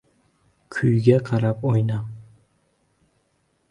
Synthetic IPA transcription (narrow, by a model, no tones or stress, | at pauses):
kʲʰʊjɡʲaqʰɑɾapojna